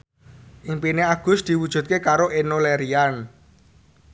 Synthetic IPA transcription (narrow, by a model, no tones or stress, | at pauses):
ʔiŋpineaɡ̥ʊ̤sd̪̥i̤wud̥ʒ̥ṳt̪̚kekaɾoʔenoleɾian